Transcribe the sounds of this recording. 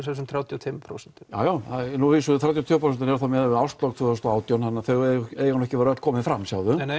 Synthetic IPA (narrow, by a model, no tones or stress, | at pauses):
θɛs̬ʏmθɾjawt̪jawt̪ʰfɪmpʰɾo̰wsɛnt̪ɪ̥ja̰ːwjawaðnuviːsʏʏθɾjawt̪jawt̪ʰjɔpʰɾowsɛnɪnɛɾ̥θawmɛːðaɪawst̪lɔwkt̪ʰvʏːʏst̪ɔaːwt̪jɔnhanːaɾθœɣeːjɣanɛhcɪvaɾœt̪l̥kʰɔːmɪfɾamːsjawðʏ